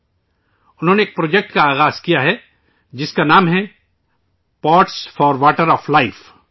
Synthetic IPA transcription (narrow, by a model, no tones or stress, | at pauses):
ʊnɦõːneːk̚pɾoːd͡ʒek̚ʈkaaːɣaːz̥kijaɦɛ | d͡ʒɪskanaːmɦɛ | paːɾʈsfɔːɾʋaːʈəɾɔːflaɪf